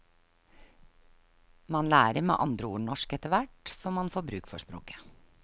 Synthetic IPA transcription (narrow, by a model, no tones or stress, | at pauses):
mɑnlæːɾəɾmḛːʔɑnd̪ɾəuːɳɔʃkɛt̪əʋæʈsɔmɑnfoːɾbɾʉːkfɔ̰ʂpɾo̰ːkə̥